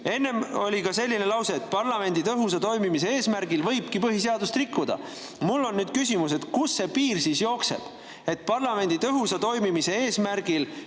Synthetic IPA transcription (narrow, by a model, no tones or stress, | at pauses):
e̞nːe̞mo̞lʲikɑse̞lʲːinelɑwse̞ːt̪̚ˑpɑrlɑme̞nʲd̪it̪ɤɦus̬ɑt̪o̞jmimise̞eːsmæɾɡ̥ilvɤjb̥̚kipɤɦiseɑd̪ust̪rikːud̪̥ɑ̰ | mulːo̞nːyːd̪̥kysʲimus̬e̞t̪kusːe̞piːrsiːsjo̞ːkse̞̰b̥ | e̞t̪̚pɑrlɑme̞nd̪̥it̪ɤɦusɑt̪o̞jmimise̞eːsmæɾɡ̥il